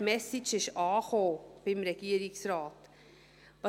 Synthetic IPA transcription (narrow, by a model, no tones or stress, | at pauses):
mɛsɪt͡ʃɪʃɑːχoːb̥ɪmɾɛɡ̥iːəɾɪksɾaːt | vɑ